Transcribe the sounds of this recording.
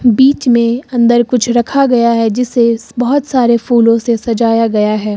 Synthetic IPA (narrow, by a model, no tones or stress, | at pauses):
biːt͡ʃmẽɐ̃nd̪əɾkʊt͡ʃʰɾɐkʰaɡɐjaɦɛd͡ʒɪsebɐɦɔt̪saːɾefuːlõsesɐd͡ʒaːjaɡɐjaɦɛː